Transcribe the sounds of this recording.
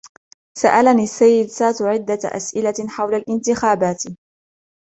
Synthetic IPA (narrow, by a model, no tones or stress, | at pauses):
saʔalaniːasːajːɪd̪saːt̪ʕɪd̪ːaʔa̰sʔɪlaħawlalʔɪnt̪ɪxaːbaːt̪